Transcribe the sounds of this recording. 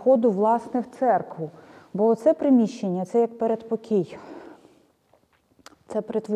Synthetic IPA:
xɔd̪ʊʋlˠɑsnɛwt̪sɛrkʋʊbɔːt̪sɛpɾɪmʲiʃːenʲːɐt̪sɛjɐk̚peɾed̪pɔkʲij | t̪sɛpɾet̪ʋ

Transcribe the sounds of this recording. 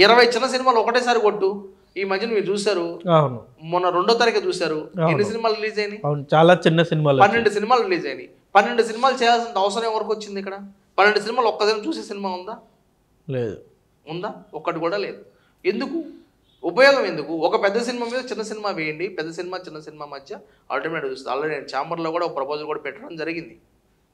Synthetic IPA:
iɾɐʋɐjt͡ʃinːɐs̬inimaːluɔkɐʈɛːs̬aːɾikoʈːu | iːmɐt͡ʃʰɐnɐmiːɾut͡ʃuːsaːɾuaːwnu | mɔnːɐɾeɳɖɔːt̪ɐɾɐkeːt͡ʃuːsaːɾuːenːis̬inimaːluɾiliːd͡ʒɐjninut͡ʃaːlaːt͡ʃinːɐsinimaːlpɐnːe̞ɳɖusinimaːluɾiliːd͡ʒɐjɐnḭ | pɐnːe̞ɳɖusinimaːlut͡ʃɛːjaːls̬int̪ɐʋɐs̬ɐɾɐmeːʋɐɾkːot͡ʃːind̪ikːɐɽɐ | pɐnːeɳɖus̬inimaːluɔkːɐsinmat͡ʃuːseːsinimaːund̪aː | leːd̪u | und̪aːɔkːɐʈikuːɽaːle̞ːd̪u | e̞nd̪ukuː | pɐjɔːɡɐme̞nd̪ukuɔkɐpɛd̪ːɐs̬inimaːmiːd̪ɐt͡ʃinːɐsinimaːʋeːjɐɳɖipɛd̪ːɐs̬inimaːt͡ʃinːɐsinimaːmɐd̪ʱjɐ | ɐ̰ːlʈimeʈit͡ʃuːsnd̪ɐ̰lːaːnent͡ʃaːmɐɾlokuːɽaːɔkːɐpɾɐpʰoːd͡ʒulkuːɽaːpɛʈːɐɽɐmd͡ʒɐɾiɡind̪i

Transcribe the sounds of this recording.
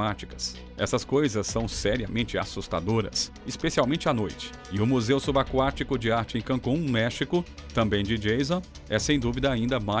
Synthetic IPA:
at͡ʃi̥kɐ̥s | ɛ̰sɐskojzɐsːɐ̃w̃sɛɾiɐmẽnt͡ʃɪa̰sust̪ad̪oɾɐ̰s | ɪspesialwmẽnt͡ʃɪanojt͡ʃɪ̥ | ɪʊmuzewsubakwat͡ʃikʊd͡ʒɪaɾt͡ʃɪẽj̃kɐ̃kũmɛʃikʊt̪ɐ̃bẽj̃d͡ʒɪd͡ʒejzõ | ɛsẽj̃d̪uvid̪ɐaĩnd̪ɐma

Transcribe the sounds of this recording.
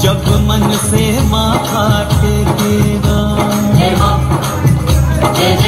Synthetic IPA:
d͡ʒɐbmɐnsemãːkʰaːʈ̪eːt̪eːɡaː

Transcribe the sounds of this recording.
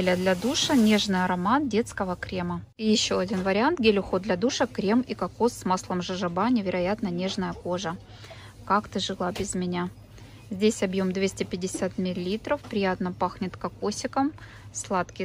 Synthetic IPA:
lʲəd̪lʲɐd̪uʂɐnʲe̞ʐnɨjɐɾɐmat̪̚dʲe̞t̪skəvəkɾʲe̞mə | jɪɕːoɐdʲinvəɾʲɪant̪ɡʲɪlʲʊxo̞d̪d̪lʲɐd̪uʂəkɾʲe̞mikɐkosːmaslˠəmʐɨʐɨbanʲɪvʲɪɾʔɐjat̪nənʲe̞ʐnəjəko̞ʐə | kakt̪ɨʐɨlˠabʲɪzmʲɪnʲa | zʲdʲesʲɐbjo̞md̪vʲesʲtʲɪpʲɪdʲɪsʲat̪mʲɪlʲːit̪ɾəfpɾʲɪjat̪nəpaxnʲɪt̪kɐkosʲɪkəm | slˠat̪kʲɪ

